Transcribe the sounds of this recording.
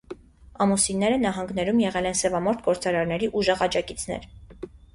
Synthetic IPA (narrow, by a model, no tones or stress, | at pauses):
ɑmusinːɛɾənɑɦɑŋɡnɛɾumjɛʁɛlɛnsɛvɑmɔɾt̪ʰɡɔɾt͡sɑɾɑɾnɛɾiʔuʒɛʁɑd͡ʒɑkit͡sʰn̪ɛ̰ɾ